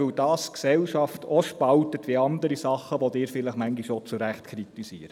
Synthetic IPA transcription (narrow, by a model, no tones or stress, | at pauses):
ɵwdɑːsksɛlʃɑftoʃpɑltətvʋiɑndəɾisɑχːəʋɔd̪ɪːɾfɪləχmæŋɡiʃot͡suɾæχtkʰɾitisiəɾə